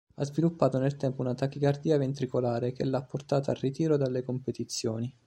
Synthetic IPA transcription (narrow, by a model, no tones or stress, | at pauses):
a̰zvilupːaːt̪onelt̪ɛmpounat̪ak̟ikard̪iːavent̪ɾikolaːɾekelːapːort̪aːt̪aːrit̪iːɾod̪alːekompet̪it̪sːjoːni